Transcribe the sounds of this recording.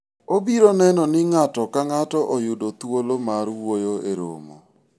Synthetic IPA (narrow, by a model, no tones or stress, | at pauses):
obiɾonɛnɔnɪŋatɔkaŋatɔʔojʊdot̪wolomaɾwwojoeɾo̰mo̰